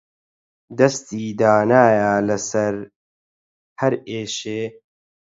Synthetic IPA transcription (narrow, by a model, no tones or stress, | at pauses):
d̪ɐst̪iːd̪aːnaːjaːlɐsɐɾ | hɐɾeːʃeː